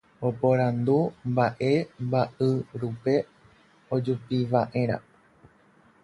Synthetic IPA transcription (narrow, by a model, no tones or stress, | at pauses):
opoɾãnd̪umbaʔembaʔɨɾupe̞ | od͡ʒupiʋaʔe̞ɾ̃ã̰